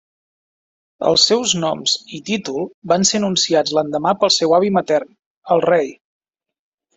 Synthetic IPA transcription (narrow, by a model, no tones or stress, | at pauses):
ə̰lˠsːɛwznɔmz̥it̪it̪ulˠbansenunsiad͡zlənd̪əmapəlˠsɛwaβimət̪ɛrn | əlˠrej